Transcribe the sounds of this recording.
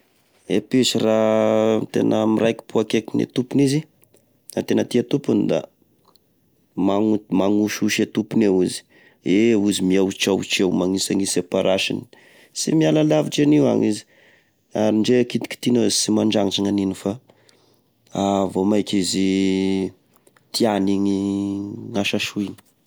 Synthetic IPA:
epesirat̪ḛnʔəmirajki̥puakekinḛt̪upunizi | nat̪enət̪iat̪upunid̪a̰ | maŋumaŋuʃuʃet̪upunewizi̥ | euzimiawt͡ʃawt͡ʃewmaŋisaŋisepaɾaʃḭni̥ | sḭmialalaviʈ͡ʂaniwa̰ŋizi̥ | aɾiɳɖ͡ʐekit̪i̥ki̥t̪inozsimaɳɖ͡ʐaŋiʈ͡ʂaŋaninifa | avomajkʲizi | t̪ianiŋi | ŋaʃaʃuini̥

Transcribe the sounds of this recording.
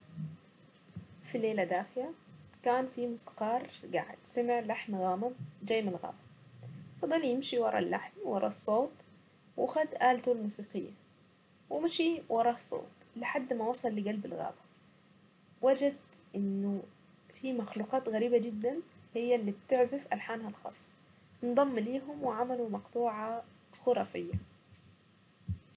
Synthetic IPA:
fileːlad̪aːxɪlakaːnfimʊsqɑːɾˤɡa̰ʕɪ̰d̪̥samɪʕlaħnɣaːmad͡ʒaːjːmɪnlɣa̰ːbaɑfɑd̪ˤːɑljɪmʃiwɑɾˤɑ̰lːa̰ħnwɑɾˤɑ̰sˤːoːt̪ˤ | wʔaxad̪ʔaːlt̪ulmuːsiːqɪjːa | wɪmʃiwʔɑɾˤɑsˤːo̰ːt̪ | lɪħad̪ːmawɑsˤɑlːɪɡalbɪlɣa̰ːbḁ | wad͡ʒad̪ | ʔɪnːʊ | fimaxluːqɑːt̪ɣæɾiːbad͡ʒɪd̪ːanhɪjːalːiːb̚t̪ɪʕzɪfʔalħaːnhalxɑ̰ːsˤː | nd̪ˤɑmːliːɦʊmwɪʕamalumɑqt̪ˤuːʕɑ | xʊɾˤɑːfɪjːa

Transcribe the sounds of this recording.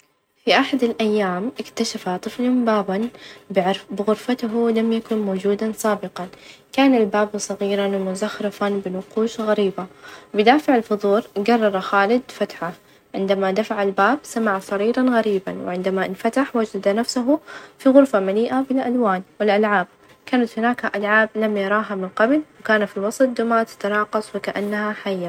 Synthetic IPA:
fiʔaħad̪alʔajːaːmʔɪkt̪aʃafat̪ˤɨflhʊmbaːban | bɪɣʊɾfat̪ʊɦulamjakʊnmoːd͡ʒuːd̪ansˤɑːbɪqɑnkaːnalbaːbsˤɑɣiːɾɑnwɪmʊzaxɾɪfanbɪnʊquːʃɣaɾiːbabɪd̪aːfɪʕɪlfʊðˤuːɾɡɑrˤːɑɾˤxaːlɪd̪fat̪ħa | ʕɪnd̪amad̪afaʕalbaːbsamaʕasˤɑɾiːɾɑnɣaɾiːba̰nwɪ̰ʕɪnd̪amaʔɪnfat̪aħwad͡ʒad̪anafsaɦʊfiɣʊɾfamaliːʔabɪlʔalwaːnwɪlʔalʕaːb̚ | kaːnat̪hʊnaːkaʔalʕaːblamjɑɾˤɑːɦamɪnqɑblwkaːnafilwɑsˤɑt̪̚d̪ʊmaːt̪ḁt̪ɑɾɑːqɑsˤwɪkaʔanːahaħajːa

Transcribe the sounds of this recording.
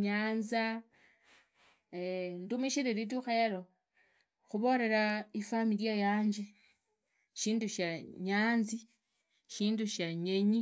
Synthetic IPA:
ɲaːnza | endumiʃiɾeɾit̬uxe̞ɾo | xuβo̞ɾe̞ɾaifamiljajaːɲd͡ʒe | ʃiːnduʃaɲaːnzi | ʃiːnduʃaɲeɲi

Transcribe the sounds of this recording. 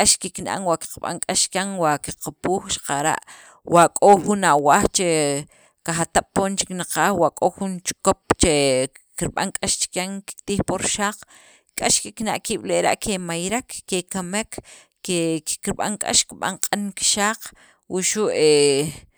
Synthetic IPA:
kʼaʃkiknʔa̰ŋwaʔki̥qɓa̰ŋkʼaʃkʲaŋwaʔkiqapuːxʃḁqaɾa̰ʔ | wakʼoxunawaːxt͡ʃe | kaxat̪aɓ̥̚poːnt͡ʃi̥knaqaːxwaʔkʼoxunt͡ʃkop̚t͡ʃe | kiɾɓa̰ŋkʼaʃt͡ʃi̥kʲaŋki̥t̪iːxpoɾʃaːq͡χ | kʼaʃkiknaʔkiːɓ̥leʔɾa̰ʔkʰemajɾakːekamekː | ekiɾɓa̰ŋkʼa̰ʃkiɓa̰ŋqʼanki̥ʃaːq | wuʃuʔe

